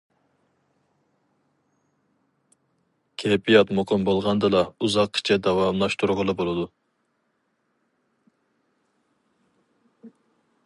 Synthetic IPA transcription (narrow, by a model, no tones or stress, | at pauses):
kʲʰepʰijɑt̪muqʰəmbolˠʁɑnd̪ɨlˠɑuzɑqʰːi̥t͡ʃʰɛd̪ɑwɑmlˠɑʃt̪ʰuɾʁəlˠɨbolˠɨd̪u